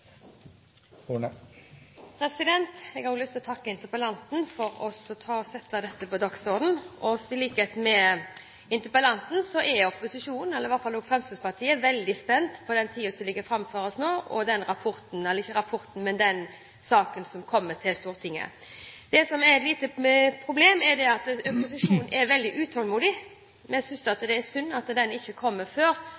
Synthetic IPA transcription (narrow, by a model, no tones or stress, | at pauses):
uːnə | pʰɾɛsɪd̪ɛnt̪ɛɡɑɡlʏst̪ɪlɔt̪ʰɑkːəɪnt̪əpəlɑnt̪nfɔɾɔsɔt̪ʰɑːɔsɛt̪ːɑd̪ɛt̪ːəpɔd̪ɑksod̪n̩ʔɔsɪliːket̪mɛ | ɪnt̪əpəlɑnt̪n̩sɔʔɛɔpːʊsɪʂuːnənɛlːɾɪʋɑɾt̪fɑloːɡfɾɛmst̪əspɑʁt̪ʰiːəʋɛld̪ɪspɛnd̪pʰɔd̪ɛnt̪ʰiːəsɔlɪɡːəfɾɑmføɾɔsnoːʔɔ̰d̪ɛnɾɑpʰɔɾt̪n̩ɛlːəɾɪçːəɾɑpʰɔɾt̪n̩mɛnd̪ɛn | sɑːkənsɔmkʰɔmːət̪ʰɪlst̪uːɾt̪ʰɪŋːə̰d̪̥ɛsɔmɛɾɛt̪liːt̪əpʰɾʊbleːmɛɾd̪ɛɑt̪ɔpʊs̬ɪʂuːnnʔɛɾʋɛld̪ɪʔʉːt̪ʰɔlmuːd̪ɪ | mɛnæsʏnsɑt̪d̪ɛːsʉnːɑt̪d̪ɛnɪçːəkʰɔmːəføːɾ